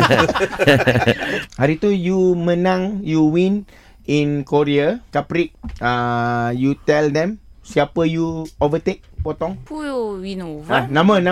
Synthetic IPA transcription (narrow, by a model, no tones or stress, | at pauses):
haɾit̪ujumə̃nãŋjuwĩn | ĩnkoɾiakapɾik̚ajut̪ɛld̪ɛ̃msiapəjuovət̪ek̚pɔt̪ɔŋwinoanãmənã